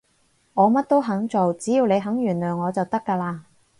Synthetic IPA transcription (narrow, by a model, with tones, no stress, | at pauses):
ŋɔː˨˧mɐ˥t̚t̪o˥wɦɐ˨˥ŋt͡so˨wt͡siː˨˥jiː˨˧wne˨˧jɦɐ˨˥ŋjyː˨˩nlœː˨˩ŋŋɔː˨˧t͡sɐ˨wt̪ɐ˥kːaː˧laː˧